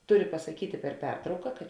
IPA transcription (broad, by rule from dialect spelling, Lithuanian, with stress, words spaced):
ˈtʊrʲɪ pɐsɐˈkʲiːtʲeː pʲɛr ˈpʲɛrtrɐʊkɐ kɐt